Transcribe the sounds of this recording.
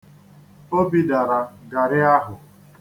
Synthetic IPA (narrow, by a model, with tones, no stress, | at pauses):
o˦bi˨da˨ɾa˨ɡa˨ɾɪ˦a˦ɦʊ˨